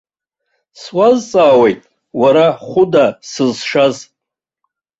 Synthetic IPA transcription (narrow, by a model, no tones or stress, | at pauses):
swazt͡sʼaːwe̞jtʼ | waɾaχʷʊdasɨzʂaz